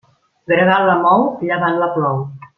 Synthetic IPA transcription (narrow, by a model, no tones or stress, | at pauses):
ɡɾəɣaləmɔwʎəβanləplɔw